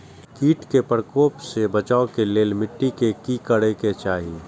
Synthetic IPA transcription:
kiːʈkepəɾkoːpsebət͡ʃaːokeleːlmɪʈːikekikəɽeket͡ʃaːɦie

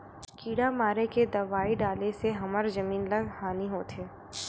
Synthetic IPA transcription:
kiːɽamaːɾeked̪ɐʋaːiɖaːleseɦɐməɾzɐmiːnlɐɡhaːniɦoːt̪ʰeː

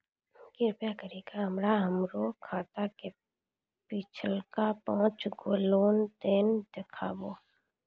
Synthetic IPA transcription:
ɡɪɾpjakəɾeːɡaɦəmɾaɦəmɾokʰaːt̪ake | pit͡ʃʰəlkapãːt͡ʃɡoːloːnd̪eːnd̪ekʰa̰ːboː

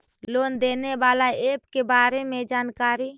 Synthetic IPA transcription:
loːnd̪eːnebaːlaeːpkebaːɾemẽd͡ʒaːnkaːɾi

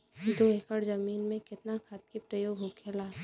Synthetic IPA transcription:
d̪oekəɽzɐmiːnmẽkɪt̪nakʰɐt̪̚kipɾəjoːɡʱɦokʰelaː

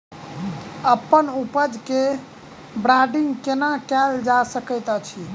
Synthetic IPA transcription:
əpːənupəd͡ʒke | bɾaɖiŋɡkenakɛld͡ʒasəkəjt̪ət͡ʃʰi

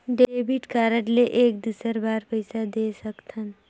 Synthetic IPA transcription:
ɖeeːbiʈkaːɾəʈleʔeːk̚d̪usəɾbaːɾpəɪsad̪esəkt̪ʰən

